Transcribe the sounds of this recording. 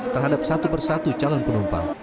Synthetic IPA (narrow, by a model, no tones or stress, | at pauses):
t̪ərɦadap̚sat̪upərsat̪ut͡ʃalɔnpənɔmpa̰